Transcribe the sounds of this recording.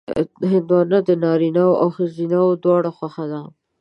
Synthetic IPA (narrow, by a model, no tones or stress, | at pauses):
ɦɪnd̪wɑnəd̪ənɑɾinawʔawxəzinawd̪wɑɽaxwaxad̪a